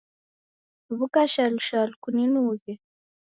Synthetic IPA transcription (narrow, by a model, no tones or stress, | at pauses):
βukaʃaluʃalukuninuːzɛ